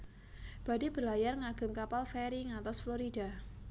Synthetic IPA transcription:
b̥a̤dib̥əlajarŋaɡ̥ə̤mkapalfɛɾiŋat̪ɔsfloɾid̥a

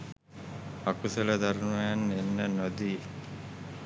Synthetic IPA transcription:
akuseləd̪aɾunɐjanːenːənod̪i

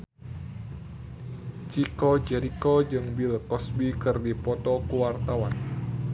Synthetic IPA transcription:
t͡ʃikɔd͡ʒɛɾikod͡ʒɨŋbilkɔsbikɨrdipɔt̪ɔkuwart̪awan

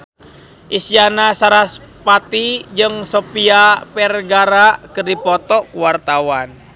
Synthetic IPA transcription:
ʔisianasaɾaspat̪id͡ʒɨŋsopiapɛrɡaɾakərdipɔt̪ɔkuwart̪awan

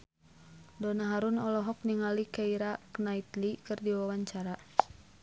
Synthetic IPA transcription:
dɔnaɦaɾunɔlɔɦɔk̚niŋalikaiɾaknait̪likɨrdiwawaɲt͡ʃaɾa

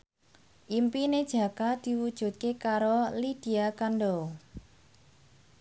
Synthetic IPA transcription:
ʔimpined̥ʒ̥a̤kad̪̥i̤wud̥ʒ̥ṳt̪̚kekaɾolid̥i̤akanɖɔ

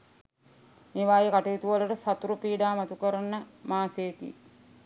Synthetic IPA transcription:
meːʋaːjekaʈiit̪uʋələʈəsat̪uɾupiːɖaːmɐt̪ukəɾanːəmaːseːkḭ

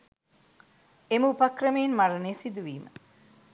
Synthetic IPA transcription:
eməupɐkrɐmeːnmɐɾɐnesid̪uʋiːmə̰

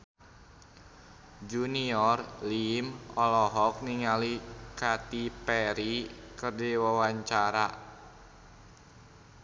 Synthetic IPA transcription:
d͡ʒuniɔrlimɔlɔɦɔk̚niŋalikat̪ipɛɾikərdiwawaɲt͡ʃaɾa

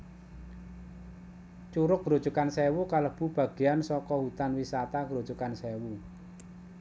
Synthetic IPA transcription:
t͡ʃuɾʊk̚ɡɾo̥d͡ʒ̥ṳkansewukaləb̥ṳb̥ä̤ɡ̥eansɔkɔhut̪anwisat̪aɡɾod͡ʒ̥ukansewu

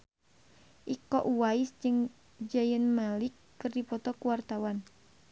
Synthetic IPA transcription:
ʔikɔʔuwaɪsd͡ʒɨŋ | d͡ʒajənmalɪkːɨrdipɔt̪ɔkuwart̪awan

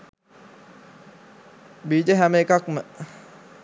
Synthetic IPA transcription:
biːd͡ʒəɦæməekakmə

